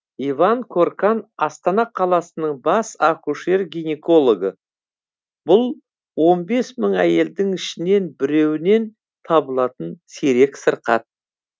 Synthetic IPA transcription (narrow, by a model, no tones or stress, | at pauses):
ivɑŋkʰo̞rkɑnɑst̪ɑnɑqʰɑlˠɑsənəɴbɑsakuʃe̞ɾɡʲijneko̞lˠo̞ɡə | b̥ʊlˠ | wo̞nbe̞sməɴæje̞ld̪ɪŋɪʃɪne̞nbɪɾe̞wɪne̞n | t̪ʰɑbəlˠɑt̪ənseɾe̞ksəɾqɑ̰t̪̚